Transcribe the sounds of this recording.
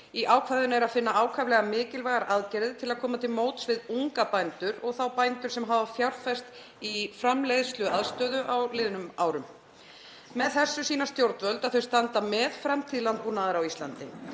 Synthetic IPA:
iʔaːwkʰvaðʏnɛɾaðfɪnːaaːwkʰavlɛɣamɪːcɪlvaːɣaɾʔaðcɛɾðɪt̪ʰɪlaðkʰɔːmat̪ʰɪlmoːwt̪svɪðuŋkapajnt̪ʏɾɔɣθawpajnt̪ʏɾ̥sɛmɦaːvafjawɾ̥fɛst̪ | ifɾamlejðst̪lʏaðst̪œːðʏʔawlɪːðʏnʏmaːwɾʏm | mɛðθɛsːʏsiːnast̪jowɾt̪vœlt̪aðθœɥst̪ant̪amɛðfɾamt̪ʰiːðlant̪̚puɾnaðaɾawist̪lant̪ɪ̰

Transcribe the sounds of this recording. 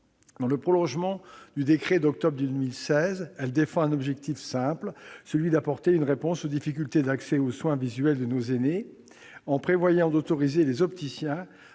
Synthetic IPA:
d̪ɑ̃ləpχɔlɔ̃ʒmɑ̃d̪̥yd̪ekχed̪ɔk̚t̪ɔbʁd̪əd̪ømilsɛzɛld̪efɑ̃ɛ̃nɔbʒɛk̚t̪ifsɛ̃plsəlɥid̪apɔʁt̪eynʁepɔ̃sod̪ifik̬ʲylt̪ed̪aksɛoswɛ̃vizɥɛld̪ənozene | ɑ̃pχevwajɑ̃d̪ot̪ɔʁizelezɔpt̪isjɛ̃

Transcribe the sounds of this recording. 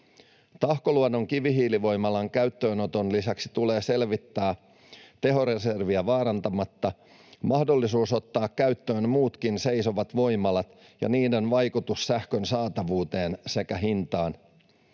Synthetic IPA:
t̪ɑhko̞luɑno̞ŋkiʋiɦiːliʋo̞jmɑlɑŋkæɥt̪ːø̞ːno̞t̪o̞nlisæksi̥t̪ule̞ːse̞lʋit̪ːæː | t̪e̞ɦo̞ɾe̞se̞rʋiæʋɑːɾɑnt̪ɑmɑt̪ːɑ | mɑhdo̞lːisuːso̞t̪ːɑːkːæɥt̪ːøːnmuːt̪kinse̞jso̞ʋɑt̪ʋo̞jmɑlɑt̪ | jɑ̰niːde̞nʋɑjkut̪ussæhkø̞nsɑːt̪ɑʋuːt̪e̞ːnse̞kæɦint̪ɑːn

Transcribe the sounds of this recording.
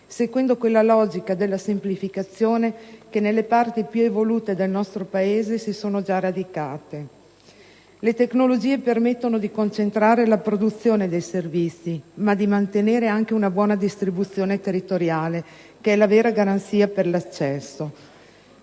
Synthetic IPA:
seɡwɛnd̪okwelːalɔːd͡ʒikad̪elːasemplifikat̪sːjoːnekenelːepart̪ipjuevoluːt̪ed̪elnɔst̪ɾopaeːzesisoːnod͡ʒarad̪ikaːt̪e | let̪eknolod͡ʒiːepermet̪ːonod̪ikont͡ʃent̪ɾaːɾelapɾod̪ut̪sːjoːned̪ejservit̪sːimad̪imant̪eneːɾeaŋkeunabwɔːnad̪ist̪ɾibut̪sːjoːnet̪erit̪oɾjaːle | keɛlaveːɾaɡaɾant̪siːaperlat͡ʃːɛsːo

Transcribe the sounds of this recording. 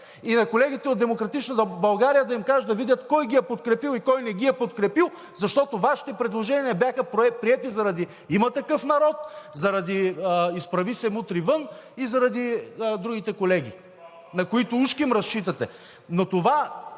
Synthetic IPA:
inɐkolɛɡʲit̪ɛod̪d̪ɛmokɾɐt̪it͡ʃnət̪əbɐlˠɡaɾijəd̪ɐimkaʒt̪d̪ɐvid̪ʲjɐt̪kɔjɡiɛpot̪kɾɛpilˠikɔjnɛɡʲiɛpot̪kɾɛpilˠ | zɐʃt̪ɔt̪ovaʃi̥t̪ɛpɾɛd̪lˠoʒɛniɐbjaxəpɛpɾiɛt̪izɐɾɐd̪i | imɐt̪ɐkɤfnɐɾɔt̪zɐɾɐd̪iispɾɐvisɛmut̪ɾivɤnizɐɾɐd̪id̪ɾuɡ̟it̪ɛkolɛɡ̟ḭ | nɐkoit̪ʊuʃkiimɾɐst͡ʃit̪ɐt̪ɛ | not̪ova

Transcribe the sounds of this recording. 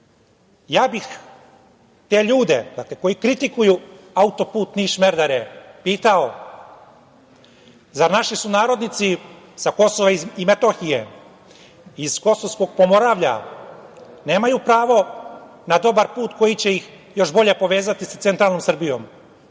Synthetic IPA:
jaːbix | t̪e̞ːʎuːd̪ed̪akleko̞jikɾit̪ikuju | aut̪o̞puːt̪niʃme̞ɾd̪aɾepiːt̪ao | zaɾnaʃisunaːɾo̞d̪nit̪si | sako̞soʋaimet̪oxije | iz̥ko̞soʋsko̞ɡ̚po̞mo̞ɾaːʋʎa̰ | ne̞ːmajupɾaːʋo̞ | nad̪o̞baɾpuːt̪ko̞jit͡ɕe̞jix | jo̞ʃbo̞ʎe̞po̞ʋe̞ːzat̪isat̪se̞nt̪ɾalno̞msr̩bijo̞̰m

